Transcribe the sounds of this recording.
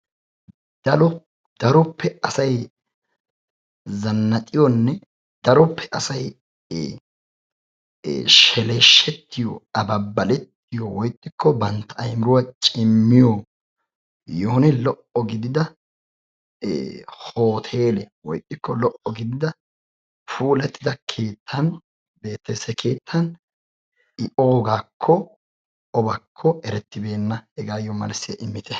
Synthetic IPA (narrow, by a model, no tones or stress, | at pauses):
d̪̥ɐlɔ | d̪̥ɐɾɔpʰːɛɐsɐj | zɐnːɐt̪ʼɪjɔnːɛ | d̪̥ɐɾɔpːɛʔɐsɐj | ʃɛleʃːɛt̪ːɪjɔ̰ɐbɐbːɐlɛt̪ːɪjɔwɔjt̪ʼːɪkʰːɔbɐnt̪ːɐɐjmɪɾʊwɐt͡ʃʼɪmːɪjo | joːnɪlɔʔɔɡɪd̪ɪd̪ɐ | hoːt̪ʰe̞ːlɛwɔjt̪ʼːɪkʰːɔlɔʔɔɡɪd̪ɪd̪ɐ | fuːlɛt̪ːɪd̪ɐkʰe̞ːt̪ʰːɐn | be̞ːt̪ːɐjsɛkʰe̞ːt̪ʰːɐn | ɪʔo̞ːɡaːkʰːɔ | ɔbɐkʰːɔɛɾɛt̪ːɪbe̞ːnːɐɛɡaːjːɔmɐ̰lsɪjɐʔɪmːɪt̪ɛ